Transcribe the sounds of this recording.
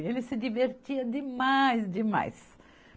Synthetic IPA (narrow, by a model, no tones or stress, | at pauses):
elɪsɪd͡ʒiveɾt͡ʃiɐd̪ɪmajsd͡ʒɪma̰js